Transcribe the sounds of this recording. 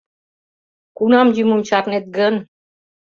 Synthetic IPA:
kunɑmd͡ʑimumt͡ɕɑrnet̪̚ɡən

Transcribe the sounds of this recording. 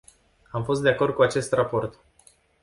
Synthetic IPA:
amfo̞s̬t̪d̪eako̞rd̪̚kuat͡ʃe̞st̪rapo̞rt̪

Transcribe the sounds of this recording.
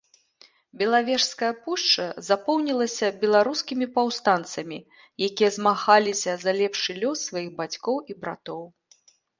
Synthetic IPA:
bʲɛlˠavʲɛʂskɐjɐpuʂt͡ʂɐzapɔwnʲilˠɐsʲɐbʲɛlˠaɾuskʲimʲipawst̪ant̪sɐmʲi | jakʲijɐzmaxalʲisʲɐzɐlʲɛpʂɨlʲɔsːvajiɣbat͡sʲkɔwibɾa̰t̪ɔw

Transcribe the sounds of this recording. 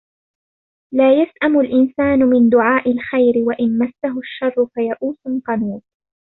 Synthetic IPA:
laːjasʔamʊlʔɪnsaːnʊmɪnd̪ʊʕaːʔɪlxajɾɪwaʔɪnmasːaɦʊʃːɑrˤːʊfajaʔuːsʊlqɑnuːt̪̚

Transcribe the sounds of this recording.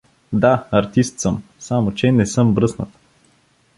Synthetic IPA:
d̪aɐɾt̪ist̪səmsamot͡ʃɛnɛsɤmbɾɤsnət̪

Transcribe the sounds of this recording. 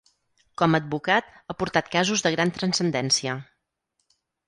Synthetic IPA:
kɔməd̪̚bukat̪əpuɾt̪at̪̚kazuzðəɣɾant̪ɾənsənd̪ɛnsiə

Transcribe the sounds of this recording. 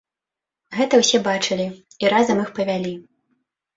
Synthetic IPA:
ɣɛt̪ɐwsʲɛbat͡ʂɨlʲi | iɾazɐmixpɐvʲalʲi

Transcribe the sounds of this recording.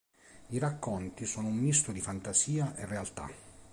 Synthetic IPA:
iɾakːont̪isoːnoumːist̪od̪ifant̪asiːaʔerːealt̪a̰

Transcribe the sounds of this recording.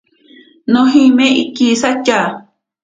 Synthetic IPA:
nõɦĩmẽʔikisat͡ʃa

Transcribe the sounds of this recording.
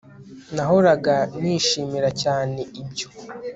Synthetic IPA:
naɦoɾaɡaniːʃiːmiɾacaːne̞ibjo

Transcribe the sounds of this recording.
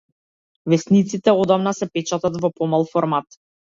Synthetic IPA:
vɛsnit̪sit̪ɛɔd̪amnasɛpɛt͡ʃat̪at̪vɔpɔmalˠfɔɾmat̪

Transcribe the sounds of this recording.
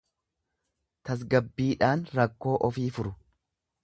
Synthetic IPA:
t̪ɐs̬ɡɐbːiːᶑaːnɾɐkːo̞ːʔɔfiːfʊɾʊ

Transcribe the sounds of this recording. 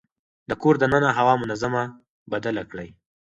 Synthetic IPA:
d̪əkoɾd̪ənənaɦawɑmʊnazama | bad̪alakɽəj

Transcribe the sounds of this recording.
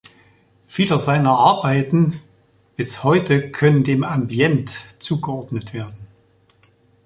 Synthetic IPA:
fiːlɐzaɪnɐʔaɐbaɪtn̩ | b̥ɪshɔʏtəkʰœnəndeːmambjɛntt͡suːɡəɔɐdnətv̥eːɐdn̩

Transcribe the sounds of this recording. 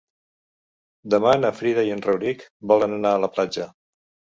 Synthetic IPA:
d̪əmanəfɾiðəiənrəwɾikbɔlənənaələplad͡ʒə

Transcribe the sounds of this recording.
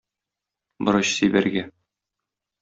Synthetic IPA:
bɤ̆ɾɤɕsijbæɾɡæ

